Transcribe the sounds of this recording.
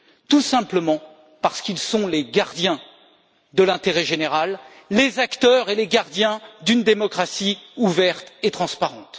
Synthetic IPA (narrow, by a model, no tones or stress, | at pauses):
t̪usɛ̃pləmɑ̃ | paʁsə̥kilsɔ̃leɡaʁd̪jɛ̃ | d̪əlɛ̃t̪eʁɛʒeneʁalː | ezakt̪œʁeleɡaʁd̪jɛ̃d̪ynd̪emɔkχasiuvɛʁt̪et̪χɑ̃spaʁɑ̃t̪